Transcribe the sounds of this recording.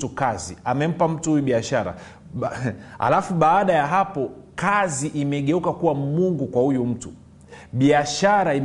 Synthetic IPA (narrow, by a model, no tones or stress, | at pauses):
tukaziamɛm̩pam̩tuhujuɓiaʃaɾa̰ | ha̰lafuɓaːɗajaɦapɔkaziʔimɛɠɛukakuwamuŋɡukwahujum̩tu | ɓiaʃaɾaim